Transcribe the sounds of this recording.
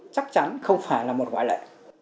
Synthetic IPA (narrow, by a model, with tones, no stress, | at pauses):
t͡ɕa˦˥k̚t͡ɕa˨˦nxə˧wŋ͡mfaː˧˩jlaː˨˩mo˨˩t̚kwaː˧˩jlə̰ː˧˨